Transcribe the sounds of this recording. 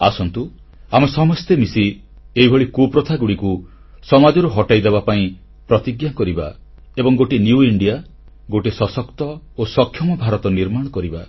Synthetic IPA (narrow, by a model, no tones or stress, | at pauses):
asɔnt̪u | amesɔmɔst̪emisi | eibʱɔɭikopɾɔt̪ʰaɡuɽiku | sɔmad͡ʒɔɾuɦɔʈajd̪ebapaĩ | pɾɔt̪iɡjakɔɾiba̰ | ebɔŋɡoʈinjuiɳɖija | ɡoʈisɔsɔkt̪ɔ | osɔkʰːjɔmɔbʱaɾɔt̪ɔniɾmaɽ̃ɔkɔɾiba